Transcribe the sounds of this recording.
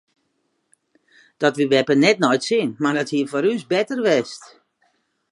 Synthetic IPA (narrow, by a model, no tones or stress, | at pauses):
d̥ɔtʋiʋɛpənɛtnɔjtsɪnmardɔthiəfɔɾysbɛtərʋɛst